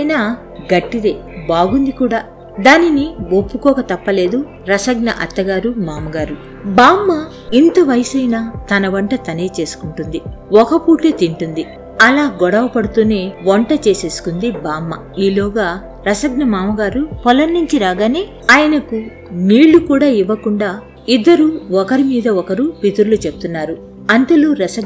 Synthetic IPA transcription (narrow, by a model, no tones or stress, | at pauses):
ɐjna | ɡɐʈːid̪e̞ːbaːɡund̪ikuːɽaː | d̪aːniniopːukɔːkɐt̪ɐpːɐle̞ːd̪u | ɾɐsɐɡ̚nɐ̰ʔɐ̰t̪ːɐɡaːɾumaːmɐɡaːɾu | baːmːɐ | int̪ɐʋɐjsɐjnɐt̪ɐnɐʋɐɳʈɐt̪ɐneːt͡ʃe̞ːsu̥kuɳʈund̪iɔkɐpuːʈleːt̪iɳʈund̪i | ɐlaːɡɔɽɐʋɐpɐɽut̪uːneːʋɐɳʈɐt͡ʃe̞ːse̞ːsu̥kund̪ibaːmːɐ | iːlɔːɡaː | ɾɐsɐɡnɐmaːmɐɡaːɾupɔlɐnːiɲt͡ʃiɾaːɡaːneː | aːjɐnɐku | niːɭːukuːɽaːiʋːɐkuɳɖaː | id̪ːɐɾuɔkɐɾimiːd̪ɐɔkɐɾupit̪uɾlut͡ʃebut̪unːaːɾu | ɐnt̪ɐluːɾɐsɐɡ